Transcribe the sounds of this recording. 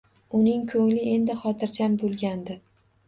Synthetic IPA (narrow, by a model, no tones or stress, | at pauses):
ʊnɪŋkʰɵŋlɪʔe̞nd̪ɪχɒt̪ʰɪɾd͡ʒambolˠɡʲand̪ɪ